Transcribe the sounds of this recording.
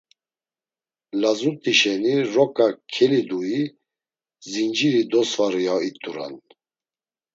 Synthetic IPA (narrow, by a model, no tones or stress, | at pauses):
lazut̪ʼiʃɛniɾɔkʼakʰɛlid̪ui | zind͡ʒiɾid̪ɔsvaɾijait̪ʼuɾa̰n